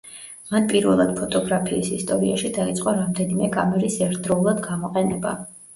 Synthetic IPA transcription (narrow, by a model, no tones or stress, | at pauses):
manpʼiɾvɛlˠad̪̥̚pʰɔt̪ʼɔɡɾapʰiːsist̪ʼɔɾiaʃid̪ait̪sʼqʼɔɾamd̪ɛnimɛkʼa̰mɛɾisɛɾt̪ʰd̪ɾɔulˠad̪ɡamɔqʼɛnɛba̰